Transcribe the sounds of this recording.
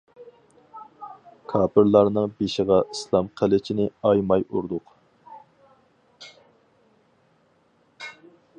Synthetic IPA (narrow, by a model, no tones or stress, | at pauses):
kʰɑːpʰɪɾlˠɑɾnɨŋbeʃəʁɑʔislˠɑmqʰəlɪt͡ʃʰinɪɑjmɑjuɾd̪ʊq